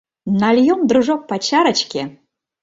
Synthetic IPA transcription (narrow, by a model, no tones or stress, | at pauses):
nalʲjomd̪ɾuʐok̚pat͡ɕaɾət͡ɕkʲe